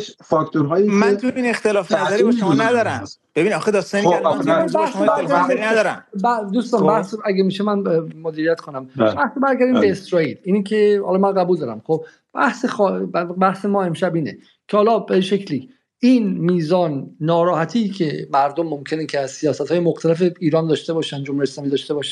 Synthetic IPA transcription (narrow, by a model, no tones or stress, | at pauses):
t͡ʃfɒkt̪ʰoɾɦɒːjimænt̪ʰobinext̪elɒːfnæd̪ɔɾibeʃommɔnæd̪ɒːɾæmb̥ebinɒxed̪ɒːst̪ɔniobæhsombæɾɾɡæɾinæd̪ɒːɾæ̰mbæd̪uːst̪ɒːnbæhsæɡemiːʃemænmod̪iːɾijæt̪kʰonæmbæhsobæɾɡæɾd̪imbeːsɾɒːiːliːnekʰehɒːlɒmænɢæbuːld̪ɒːɾæ̰mxob | b̥æhsexɒbæhse̞mɒːe̞mʃæbiːne | kʰehɒːlɒːbeʃecʰliː | iːnmiːzɒːnːɒːɾɒːhæt̪ʰiːcʰe̞mæɾd̪omːomcʰe̞necʰeæzsijɒːsæt̪hɒːjemoxt̪ʰæle̞feiːɾɒːnd̪ɒːʃt̪e̞bɒːʃænd̪d͡ʒomuɾjeslɒːmiːd̪ɒːʃt̪e̞bɒʃæ